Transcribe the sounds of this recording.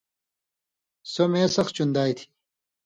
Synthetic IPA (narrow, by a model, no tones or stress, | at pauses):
somẽːsɐxt͡ɕund̪aːjt̪ʰi̥